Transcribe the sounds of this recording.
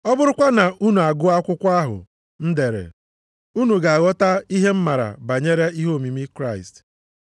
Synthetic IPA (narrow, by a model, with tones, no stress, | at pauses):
ɔ˦bʊ˦ɾʊ˦kʷa˦na˨ʔu˦nu˨a˨ɡʊ˦a˦kʷʊ˦kʷa˦ɦʊ̰˨ | n̩˦de˨ɾḛ˨ | u˦nu˨ɡa˨a˨ɣɔ˦ta˦i˦ɦe˦m̩˦ma˨ɾa̰˨ba˨ɲe˦ɾe˦i˦ɦo˦˨mi˨mi˦kɾa˦ɪ˨st